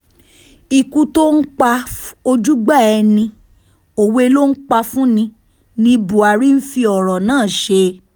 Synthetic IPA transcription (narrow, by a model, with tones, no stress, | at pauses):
i˨ku˧to˦n̩˦k͡pa˧o˧d͡ʒu˦ɡ͡ba˦˨ɛ˧nĩ˧ | o˨we˧˦˧lo˦n̩˦k͡pa˧fũ˦nĩ˧ | nĩ˧bu˨a˨ɾi˦n̩˦fi˧ɔ˨ɾɔ˨nãː˦˨ʃe˧